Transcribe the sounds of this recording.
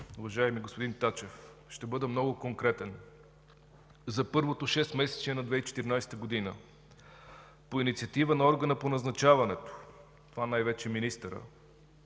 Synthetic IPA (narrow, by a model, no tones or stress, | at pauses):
uvɐʒajɛmiɡospod̪int̪at͡ʃɛfʃt̪ɛbɤd̪əmnɔɡʊkoŋkɾɛt̪ɛn | zɐpɤɾvot̪oʃɛst̪mɛsɛ̥t͡ʃiɛnɐd̪vɛit͡ʃɛ̥t̪iɾinajst̪əɡod̪inə | poinit̪siɐt̪ivənɐɔɾɡənəponɐznɐt͡ʃavɐnɛt̪o̥ | t̪ovanajvɛt͡ʃɛminist̪əɾə̰